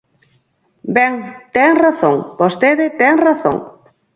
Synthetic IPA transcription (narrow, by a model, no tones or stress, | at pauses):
bɛŋt̪ɛŋraθõŋpost̪eðɪt̪ɛŋraθo̰ŋ